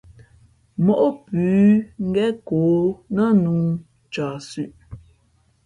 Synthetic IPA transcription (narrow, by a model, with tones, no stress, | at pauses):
mɔ˨ʔo˦pʉː˨˦ŋ̩˦ɡɛ˦koː˨˦nə˦nuː˦ | t͡ʃa˨sʉ˦ʔ